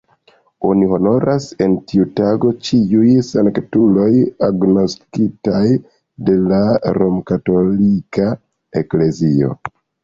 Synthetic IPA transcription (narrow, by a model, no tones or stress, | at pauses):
oniɦo̞no̞ɾʔase̞ntiutaɡo̞t͡ʃiujsaŋktulo̞jaɡno̞skitaj | de̞laɾo̞mkato̞lika | e̞kle̞zio̞̰